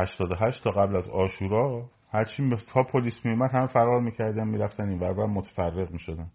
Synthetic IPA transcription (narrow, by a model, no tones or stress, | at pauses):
hæʃt̪ʰɒːd̪oɦæʃt̪t̪ʰːɒːɣæblæzɒːʃuːɾɒː | hæɾt͡ʃʰimt̪ʰɒːpʰoliːsmiumæd̪hæmefæɾɒːɾmiːcʰæɾd̪ænmiːɾæft̪æninvæɾbæɾmot̪ʰe̥færːe̞ɣmiːʃod̪æn